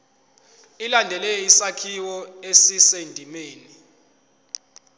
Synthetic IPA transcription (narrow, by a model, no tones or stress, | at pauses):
ilandʱɛlɛjisakʰiwɔesisendʱimeːni